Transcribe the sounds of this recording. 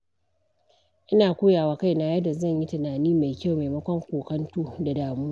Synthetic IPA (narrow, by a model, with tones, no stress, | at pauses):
ʔɪ˦naː˨kʷuː˦jaː˨waː˦ka˦jna˦jɐ˦da˨zɐ˦˨ɲji˦tɪ˨naː˨niː˦ma˨jkʲa˦˨wma˨jmɐ˦kʷɔ˦ŋkʷuː˨kɐ˦ntuː˦da˨daː˨muː˦